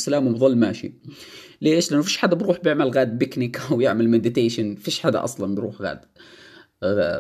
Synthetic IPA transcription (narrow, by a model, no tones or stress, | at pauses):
salaːmwbðˤɨlːmaːʃḭ | leːʃlʔanːʊfiːʃħad̪abɾuːħbjɪʕmalɣaːd̪̚bɪknɪkawjɪʕmalmed̪ɪt̪eːʃanfiːʃħad̪a̰ʔɑ̰sˤlɑnbɾuːħɣa̰ːd̪